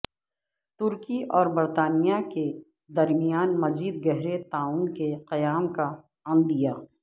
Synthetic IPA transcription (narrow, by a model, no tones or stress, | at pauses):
t̪ʊɾkiʔɔːɾbɐɾt̪aːnijake | d̪ɐɾmijaːnmɐziːd̪̚ɡɛɦɾet̪aːuːnkeqɐjaːmka | ɐ̃nd̪ijaː